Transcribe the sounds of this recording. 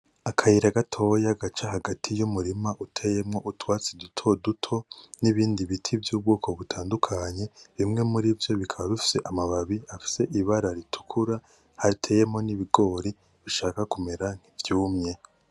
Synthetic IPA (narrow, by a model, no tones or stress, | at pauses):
akʰajiɾaɡatʰo̞ːjaɡat͡ʃahaɡatʰijumuɾimaʔutʰe̞je̞mŋo̞ʔutwaːt͡sidutʰo̞dutʰo̞niβiːndiβitʰivjuːbɡoːkʰo̞βutʰaːndukʰaɲe̞βimŋe̞muɾivjo̞βikʰaβaβifi̥se̞ʔamaβaβiafi̥se̞ʔiβaɾaɾitʰu̥kʰuɾa | haɾitʰe̞ːje̞mŋo̞niβiɡo̞ːɾi | βiʃaːkakumeɾaŋ̥hivjuːmɲe̞